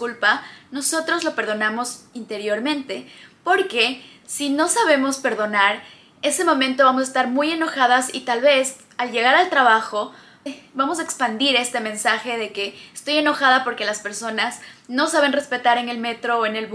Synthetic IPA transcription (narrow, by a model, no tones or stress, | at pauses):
kulpano̞so̞t̪ɾo̞zlo̞pe̞ɾð̞o̞namo̞sint̪e̞ɾjo̞ɾmẽ̞nt̪e̞po̞ɾke̞ | sino̞saβe̞mo̞spe̞ɾðo̞naɾ | e̞semõ̞mẽnt̪o̞βamos̬aest̪aɾmuje̞no̞xaðasit̪alβe̞s | alʝe̞ɣ̞aɾalt̪ɾaβaxo̞ | βamo̞s̬aekspand̪iɾe̞st̪e̞mẽ̞nsaxe̞ðe̞ke̞ːst̪o̞je̞no̞xað̞apo̞ɾke̞laspe̞ɾso̞nazno̞saβ̞e̞nrespe̞t̪aɾe̞ne̞lme̞t̪ɾo̞ːene̞lβ